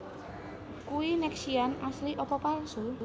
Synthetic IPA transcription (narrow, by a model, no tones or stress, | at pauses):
kuwinɛksianasliʔɔpɔpalsu